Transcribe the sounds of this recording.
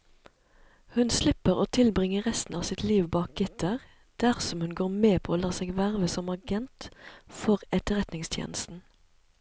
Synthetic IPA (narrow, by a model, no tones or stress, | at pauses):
hʉnslɪpəʁoːt̪ʰɪlbʁɪŋəʁɛst̪n̩ɑːsɪt̪ʰliːʋbɑːk̚ɡʏt̪ʰɑʁ | d̪̥æʁsɔmhʉnɡoːʁmeːpʰoːoːlɑːseːɡʋæʁʋəsɔmɑɡɛnt̪fɔʁɛt̪əʁɛt̪nɪŋst̪ʰjḛːnəst̪n̩